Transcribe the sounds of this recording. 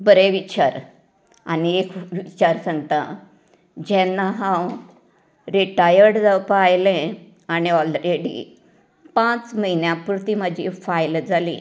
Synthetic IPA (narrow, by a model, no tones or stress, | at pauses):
bəɾeʋit͡ɕaɾ | a̰niekʋit͡ɕaɾsəɳɡt̪a | d͡ʑɛ̃nːaɦãw | ɾiʈajəɾɽd͡zəpajlẽ | aniɔlɾeɽḭ | pãt͡sməɦinjapuɾt̪iməd͡ʑʱifajld͡zʱalḭ̃